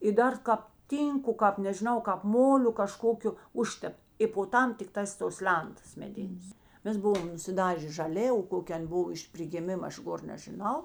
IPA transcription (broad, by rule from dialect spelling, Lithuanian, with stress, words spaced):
ɪ ˈdɐr ˈkɑːp ˈtʲiːŋkʊ ˈkɑːp nʲɛʒʲɪˈnɐʊ kɑːp ˈmoːlʲʊ kɐˈʃkoːkʲʊ ˈʊʃʲtʲɛpt ɪ poː ˈtɐm tʲɪkˈtɑːs toːs ˈlʲɛntɐs mʲɛˈdʲɪnʲeːs ˈmʲɛs ˈbʊʋoːm nʊsʲɪˈdɑːʒʲeː ʒɐˈlʲeː oː koːˈkʲeː ˈɐnʲ ˈbʊw ɪʃ pʲrʲɪɡʲɪˈmʲɪmɐ ˈɐʃ ˈɡoːr nʲɛʒʲɪˈnɐʊ